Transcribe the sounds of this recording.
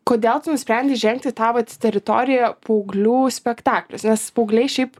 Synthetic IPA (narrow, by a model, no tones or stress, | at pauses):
koːd̪ʲeːlˠt̪ʊnʊsʲpʲɾʲɛnʲd̪ʲɪʒʲɛŋk̚t̪ʲɪt̪ɑːʋɐt̪t̪ʲɛɾʲɪt̪oːɾʲɪjɛpoʊɡlʲuːsʲpʲɛkt̪ɑːklʲʊsnʲɛspoʊɡlʲɛɪʃʲɛɪp